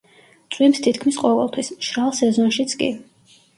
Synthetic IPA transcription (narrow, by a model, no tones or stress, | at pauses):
t̪sʼwimst̪ʰit̪ʰkʰmisqʼɔvɛ̰lˠt̪ʰwismʃɾalˠsɛzɔnʃit̪sʰkʼḭ